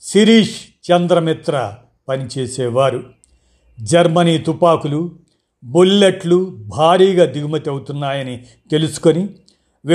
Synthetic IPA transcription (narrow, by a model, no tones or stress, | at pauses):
siɾiːʂt͡ʃɐnd̪ɾɐmit̪ɾɐ | pɐnit͡ʃeːsɛːʋaːɾu | d͡ʒɐɾmɐniːt̪upaːkulu | bulːeʈlubʱaːɾiːɡaːd̪iɡumɐt̪iɐwut̪unːaːjɐni | t̪e̞lusu̥ko̞ni | ʋ